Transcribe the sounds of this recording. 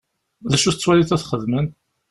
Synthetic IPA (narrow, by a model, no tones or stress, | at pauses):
ðæʃuθət͡sːwæliθæθχəðmən